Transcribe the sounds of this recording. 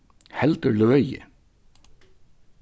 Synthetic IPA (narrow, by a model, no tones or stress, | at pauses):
hɛlt̪əlœjɪ̰